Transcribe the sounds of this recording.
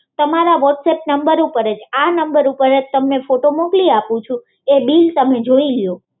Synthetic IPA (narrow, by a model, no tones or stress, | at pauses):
t̪əmaɾaʋɔʈsep̚nəmbəɾupəɾəd͡ʒanəmbəɾupəɾəd͡ʒt̪əmefoʈomokliapũt͡ʃʰu | ebilt̪əmed͡ʒoiljo